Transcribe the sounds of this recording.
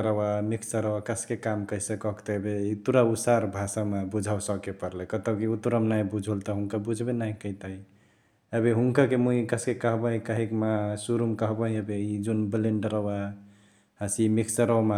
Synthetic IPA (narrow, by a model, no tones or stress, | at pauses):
ɾəwamikʰsəɾəwakəskekamkəisəkɔkt̪ɔebeit̪uɾausaɾbʱasamebud͡ʒʱawsəkepəɾlɛkət̪əkiut̪ɾəmnajbud͡ʒʱult̪ɔɦuŋkabud͡ʒʱbenaikəit̪ai | əbeɦuŋkakemuikəskekəɦbaɦĩkəɦikmasuɾumkəɦbəɦĩəbeid͡ʒunbileɳɖɾəwa | hasimikʰsəɾɔwma